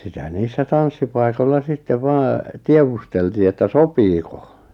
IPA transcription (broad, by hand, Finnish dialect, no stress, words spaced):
sitæ niːsːæ tɑnsːipɑi̞kolːɑ sitːeʋ ʋɑː tieʋusteltiː etːæ sopiːko